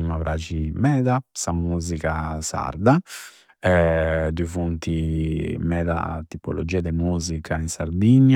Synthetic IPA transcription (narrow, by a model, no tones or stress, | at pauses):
imavɾʔaːt͡ʃimɛːd̪asamuːzikasa̰ɾd̪a | ɛd̪uivunt̪imɛːd̪a̰t̪ipo̰lo̰d͡ʒiːad̪ɛmuːzikʰainsaɾd̪iɲːa